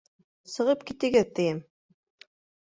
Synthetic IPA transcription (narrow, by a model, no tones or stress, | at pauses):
sɤ̆ʁɤpkit̪ɘ̆ɡɘðt̪ɘ̆jɘm